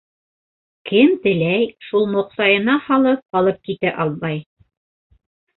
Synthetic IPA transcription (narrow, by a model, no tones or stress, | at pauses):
kɘmt̪ɘ̆læjʃulˠmŏqsɑjɤ̆nɑhɑlˠɤp̚qɑlˠɤp̚kit̪æʔɑlˠβɑj